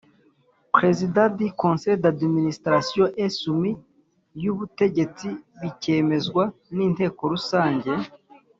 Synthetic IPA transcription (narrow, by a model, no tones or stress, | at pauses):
pɾe̞zidadikonsejdadministɾasijoʔesumi | juβute̞ɟe̞t͡siβice̞ːme̞zɡwaniːnte̞ːko̞ɾusaːɲɟe̞